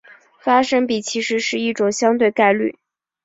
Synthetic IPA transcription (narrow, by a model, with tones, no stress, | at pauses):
fa˥ʂɤ˥ŋpi˨˩t͡ɕʰi˧˥ʂɻ̩˧˥ʂɻ̩˥˧i˥˩ʈ͡ʂʊ˨˩ŋɕjɑ˥ŋt̪we˥˧ɪka˥˧ɪly̰˥˩